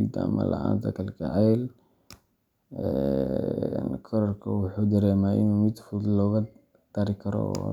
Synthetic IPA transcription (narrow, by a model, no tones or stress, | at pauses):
id̪ɐ̰mɐ̰lɐ̰ʔa̰ːnt̪ʰɐkʰɐlkʰɐʕɛːl | ɛ | nkʰɔɾɔrkʰɐwʊħuːd̪ɐɾɛːmaːɪ̰numɪd̪fʊlɔːɣɐ | d̪̥ɐɾɪkʰɐɾɔ̰